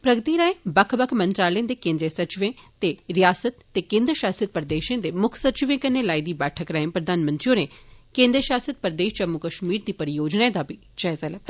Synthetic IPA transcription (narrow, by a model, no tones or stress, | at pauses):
pɾɐɡət̪iɾaːẽbɐkʰbɐkʰmɐ̃nt̪ɾaːlẽːnd̪ekẽːnd̪ɾijəsɐt͡ʃɪʋẽt̪eɾijaːsət̪ːekẽːnd̪ɾəʃaːsit̪̚pəɾəd̪eːʃẽːnd̪emʊkʰsɐt͡ʃɪʋẽkɐnːelaːid̪iːbɛːʈʰəkɾaẽpɾɐd̪ʱaːnmə̃nt̪ɾijõnẽkẽːnd̪ɾəʃaːsət̪̚pɾəd̪eːʃt͡ʃɐmːukɐʃmiːɾd̪iːpɐɾijoːd͡ʒnaẽd̪abʱi | t͡ʃɐɦzɛlɐt̪